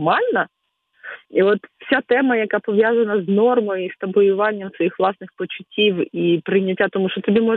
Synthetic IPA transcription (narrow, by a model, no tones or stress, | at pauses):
mɑlʲnɐ | iɔt̪fsʲat̪ɛmɐjɐkapɔʋʲjazɐnɐznɔrmɔjʊist̪ɐbʊjʊʋɑnʲːɐmsʋɔjixʋlˠɑsnɪxpɔt͡ʃʊtʲiwipɾɪjnʲɐtʲːat̪ɔmuʃt͡ʃɔt̪ɔbʲimɔ